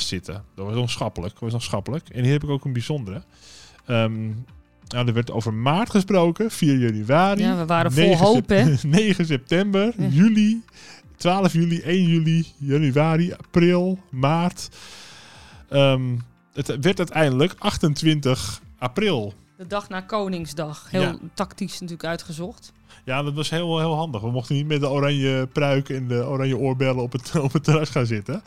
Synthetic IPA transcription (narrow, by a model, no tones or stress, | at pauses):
sɪtʰə̰dɔtʋɔsosxɑpələk̚ʋɔsnosxapələkɛ̰nhiːrhɛpɪkowkənbizondəɾə | əm | nadərʋɛrto̰wvərmaːrtχəsproːwkəfiːərjanyʋaːɾianeɦoneːɣəs̬ɛp̚tɛmbərjyli | tʰʋaːləfjyliʔejnjylijanyʋaːɾiaprɪlˠmaːrt | əm | ətʋɛrtœtɛjəndələkaxtəntʋɪntəxaprɪlˠ | d̥ədɑxnaːkownɪŋsdɑxhɪːlˠtaktisnatyːləkœɥtχəzɔxt | jadɔtʋɔsheːlˠʋˠhɪːlˠɦɑndəxʋəmoxtənit̚mɛt̚dəoɾanjəprœɥkɛndəoɾanjəoːrbɛlˠəɔpəɔpətːərasχaːnzɪtə